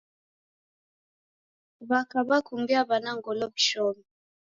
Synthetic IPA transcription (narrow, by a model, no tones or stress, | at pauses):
βakabakumbiabanaŋɡɔlɔbiʃɔmi